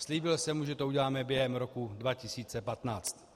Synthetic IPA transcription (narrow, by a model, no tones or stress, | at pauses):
sliːbɪlsɛmuʒɛt̪ouɟɛlaːmɛbjɛɦɛmɾokudvacɪsiːt͡sɛpat̪naːt͡st̪